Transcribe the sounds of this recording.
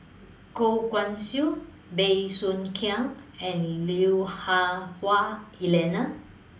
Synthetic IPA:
kokwãnsju | bejsunkʰiãŋɛ̃nliuhahwailɛna

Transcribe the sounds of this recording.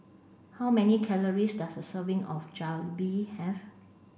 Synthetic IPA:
haʊwmɛnikʰɛləɹisdasdəsəvɪ̃ŋɔfd͡ʒalbihɛv

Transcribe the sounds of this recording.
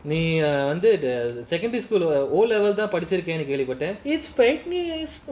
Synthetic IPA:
nĩːʋɐnd̪ɯsɛkɐ̃ɳɖɾiskuːloːllɛʋɛlt̪̬ãːpɐɽɪt͡ʃːɪɾɯk̬ːẽːnẽːk̬ːeːɭʋipːɐʈːẽːɪʈsfeɪʈnus

